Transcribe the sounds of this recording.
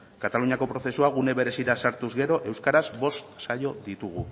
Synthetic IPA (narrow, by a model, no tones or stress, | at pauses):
kat̪aluɲiako̞pɾo̞θe̞suaɣ̞une̞βe̞ɾe̞siɾasaɾt̪uzɣe̞ɾo̞ʔe̞wskaɾazbo̞st̪sajo̞ðit̪uɣu